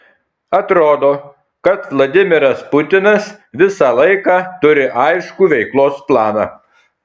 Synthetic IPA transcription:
ɐt̪ɾoːd̪oː | kɐt̪ʋlˠɐd̪ʲɪmʲɪɾɐspʊt̪ʲɪnɐs | ʋʲɪsɑːlˠɐɪkɑːt̪ʊɾʲɪʔɐɪʃkuːʋʲɛɪklˠoːsplˠɑːnɑ̰ː

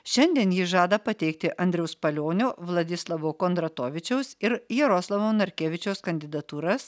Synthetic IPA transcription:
ʃʲɛnʲd̪ʲiɛnjiːʒɑːd̪ɐpɐt̪ʲɛɪkt̪ʲɪʔʔɐnʲd̪ʲɾʲɛʊspɐlʲoːnʲoːʋlˠɐd̪ʲɪslˠɐʋoːkoːnd̪ɾɐt̪oːʋʲɪt͡ʃʲɛʊsɪɾjɛɾoːslˠɐʋoːnɐɾʲkʲeːʋʲɪt͡ʃʲɛʊskɐnʲd̪ʲɪd̪ɐt̪uːɾɐs

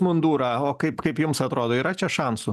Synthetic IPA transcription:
mʊnd̪uːɾɐoːkɐɪpkɐɪpjʊmsɐt̪ɾoːd̪oːiːɾɐt͡ʃʲɛʃɑnsʊ

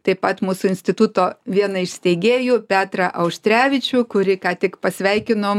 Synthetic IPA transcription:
t̪ɐɪpɐt̪muːsʊɪnʲsʲt̪ʲɪt̪ʊt̪oːʋʲiɛnɐɪʃʲsʲt̪ʲɛɪɡʲeːjʊpʲæːt̪ɾɐʔɐʊʃʲt̪ʲɾʲæːʋʲɪt͡ʃʲʊkʊɾʲɪkɑːt̪ʲɪkpɐsʲʋʲɛɪkʲɪnoːm

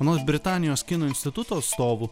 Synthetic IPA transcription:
ɐnoːsbʲɾʲɪt̪ɑːnʲɪjoːskʲɪnoːɪnʲst̪ʲɪt̪ʊt̪oːɐt̪st̪oːʋuː

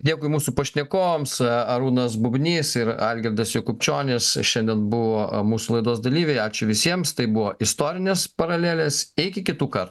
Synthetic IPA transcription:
d̪ʲeːkʊɪmuːsupɐʃʲnʲɛkoːmsɐɾuːnɐsbʊbʲnʲiːsɪɾɑːlʲɡʲɛɾʲd̪ɐsjoːkʊpʲt͡ʃʲoːnʲesʃʲɛnʲd̪ʲɛnbʊʋoːmuːsulˠɐɪd̪oːsd̪ɐlʲiːʋʲɛɪɑːt͡ʃʲʊʋʲɪsʲiɛmst̪ɐɪbʊʋoːʔɪst̪oːɾʲɪnʲeːspɐɾɐlʲeːlʲeːsɪɪkʲɪkʲɪt̪uːkɐɾt̪u

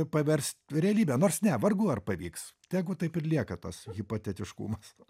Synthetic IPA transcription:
pɐʋʲɛrʲst̪ɾʲɛɐlʲiːbʲɛnoːrsnʲɛʋɐrɡuːɐrpɐʋʲiːkst̪ʲæːɡʊt̪ɐɪpɪrʲlʲiɛkɐt̪ɐsɣʲɪpot̪ʲɛt̪ʲɪʃkṵːmɐs

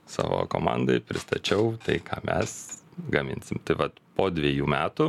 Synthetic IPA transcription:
sɑ̰ːʋo̰ːko̰ːmɑ̰ːnd̪ɐɪpʲɾʲɪst̪ɐt͡ʃʲɛʊt̪ɐɪkʰɑːmʲɛ̰sɡɐmʲɪ̰nʲsʲɪmt̪ɐɪʋɐt̪poːd̪ʲʋʲiɛjuːmʲæːt̪ʊ

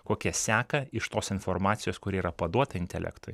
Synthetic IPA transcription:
koːkʲiɛsʲæːkɐɪʃt̪oːsɪnfoɾmɑːt̪sʲɪjoːskʊɾʲiːiːɾɐpɐd̪uɔt̪ɐɪnʲt̪ʲɛ̰lʲɛ̰kt̪ʊ̰j

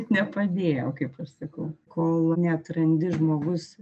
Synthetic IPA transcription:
nʲɛpɐd̪ʲeːjoːkɐɪpɐʃsɐkɐʊkoːlˠnʲɛɐt̪ɾɐnʲd̪ʲɪʒmoːɡʊs

